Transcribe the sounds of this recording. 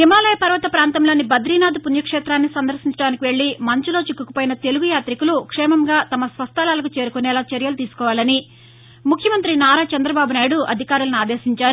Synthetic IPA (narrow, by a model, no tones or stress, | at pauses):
imaːlɐjɐpɐɾʋɐt̪ɐpɾaːnt̪ɐmlɐːnːibɐd̪ɾiːnaːd̪upunjɐkʂɛːt̪ɾaːnːisɐnd̪ɐɾsiɲt͡ʃɐɽaːnikiʋe̞ɭːimɐɲt͡ʃulo̞ːt͡ʃikːuku̥poːjinɐt̪e̞luɡujaːt̪ɾikulukʂɛːmɐmɡaːt̪ɐmɐsʋɐst̪ɐlaːlɐkut͡ʃe̞ːɾukunɛːlaːt͡ʃɐɾjɐlut̪iːsu̥kɔːʋaːlɐni | mukʰjɐmɐnt̪ɾinaːɾaːt͡ʃɐnd̪ɾɐbaːbunaːjiɽuʔɐ̰d̪ʱikaːɾulɐniaːd̪eːsiɲt͡ʃaːɾ